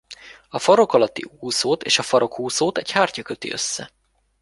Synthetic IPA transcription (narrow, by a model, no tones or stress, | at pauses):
ɒfɒɾo̞kɒlɒt̪ːḭuːsoːt̪ḛːʃɒfɒɾo̞khuːsoːt̪ɛchaːrcɒkøt̪ḭʔø̰sːɛ̰